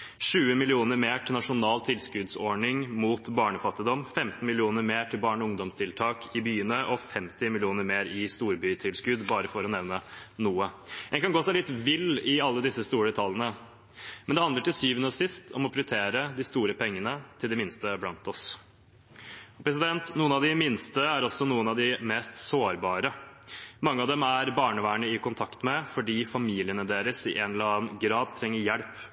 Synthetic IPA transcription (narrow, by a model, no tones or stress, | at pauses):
ʂʉːəmɪlɪuːnəɾmeːʈʰɪlnɑʂʊnɑːlt̪ʰɪlskʉd̪sɔɳɪŋmuːt̪bɑːɳəfɑt̪ːɪd̪ɔmfɛmt̪n̩mɪlɪuːnəɾmeːʈʰɪlbɑːɳɔʊŋd̪ɔmst̪ʰɪlt̪ʰɑːkʰɪbyːənəʔɔfɛmt̪ɪmɪlɪuːnəɾmeːɾɪst̪uːɾbyːt̪ʰɪlskʉd̪bɑːɾəfɔɾɔnɛʋnənuːəɛnkɑnɡoːsælɪt̪ʋɪlːɪɑlːəd̪ɪsːəst̪uːɾəɛt̪ʰɑlənə | mɛnd̪ɛhɑnd̪əʈɪlsyːʋənəsɪst̪ʰɔmɔpʰɾɪʏt̪ʰeːɾəd̪ɪst̪uːɾəpʰɛŋːənət̪ʰɪld̪ɛmɪnst̪əblɑnt̪ɔs | ɔpʰɾɛs̬ɪd̪ɛnt̪nuːənɑʋd̪ɪmɪnst̪əæɾɔsːɔnuːənɑʋd̪ɪmɛːst̪soːɾbɑːɾəmɑŋːəɑʋd̪ɛmæɾbɑːɳəʋæːɳəɪkʰʊnt̪ʰɑkt̪mɛfɔɖiːfɑmiːlɪənəd̪eːɾəsɪʔɛnɛləɑːnɡɾɑːd̪t̪ʰɾɛŋːəɾjæɽp